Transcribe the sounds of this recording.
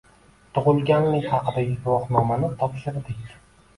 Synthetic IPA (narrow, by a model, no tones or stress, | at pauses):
t̪ʰʊʁʊlˠɡʲanlɪŋʲhɑqʰɨd̪ajʊt̪wɒqnɒmanɪt̪ʰɒpʃɪɾd̪ɪkʲ